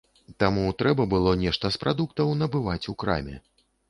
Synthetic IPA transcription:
t̪amut̪ɾɛbɐbɨlˠɔnʲɛʂt̪ɐspɾad̪ukt̪ɐwn̪ɐbɨvat͡sʲukɾa̰mʲɛ̰

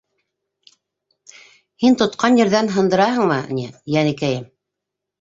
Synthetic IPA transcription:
hint̪ŏt̪qɑnjɘ̆ɾðænɦɤ̆nd̪ɤ̆ɾɑhɤ̆ɴmɤ̰̆nʲijænɘ̆kæjɘm

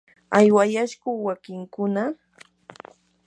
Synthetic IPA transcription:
ajwajaʃkʊwakɪŋkʊna

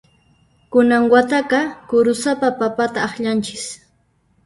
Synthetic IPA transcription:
kʊnaŋwat̪aqɑkʊɾʊsapapapat̪aːχʎant͡ʃɪ̥s

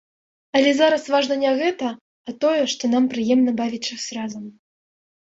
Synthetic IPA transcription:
ɐlʲɛzaɾɐsvaʐnɐnʲɛɣɛt̪ɐː | t̪ɔjɛʂt̪ɔnampɾɨjɛmnɐbavʲit͡ʂɨsʲrazɐm

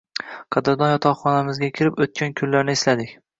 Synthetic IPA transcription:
qʰɑd̪ɪɾd̪ɒnjɒt̪ʰɒʁχɒnamɪzɡʲakʲʰɪɾɪpɵt̪̚kʲʰankʲʰʊllːaɾnɪɪslad̪ɪkʲ

